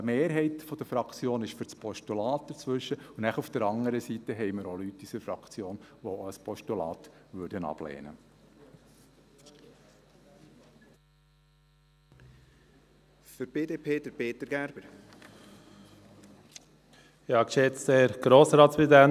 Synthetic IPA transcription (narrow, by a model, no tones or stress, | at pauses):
əmeːɾɦɛɪtfɔd̥̪əfɾɑkt͡sjoːnɪʃfʏɾt͡spʰɔʃtulɑːt̚d̥əɾt͡sʋʏʃəʊnnæχufd̥̪əɾɑŋəɾəsit̪ːəɦɛɪməɾolytːysəɾfɾɑ̰kt͡sjoːnʋoəspʰɔʃtulɑ̰ːt̪ʋøːɾdənɑ̰b̥lḛːnə̰ | fəɾb̥eːdeːpʰeːd̪əɾbeːt̪əɾɡ̥æɾb̥əɾ | jɑːkʃet͡st̪ɛɾɡ̥ɾoːsɾɑːt̪sʋid̪æn